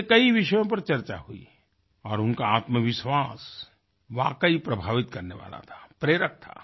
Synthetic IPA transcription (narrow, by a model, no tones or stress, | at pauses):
kɐiʋɪʃəjõp̬ɐɾt͡ʃɐɾt͡ʃaɦuḭ | ɔːɾʊnkaaːt̪məʋɪʃwaːs | ʋaːkəipɾɐbʱaːʋɪt̪kɐɾneʋa̰ːla̰t̪ʰḁpɾeːɾək̚t̪ʰa̰ː